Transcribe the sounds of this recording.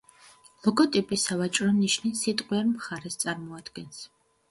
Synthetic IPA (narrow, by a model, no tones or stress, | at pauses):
lˠɔɡɔt̪ʼipʼisavat͡ʃʼɾɔniʃnisit̪ʼqʼwiɛɾmχaɾɛst̪sʼaɾmɔad̪̥ɡɛns